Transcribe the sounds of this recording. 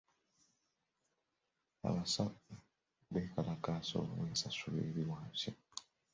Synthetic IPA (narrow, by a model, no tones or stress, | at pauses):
a̰βasau | βekalakaːso̰weːsasulḛːɾiwaːmsi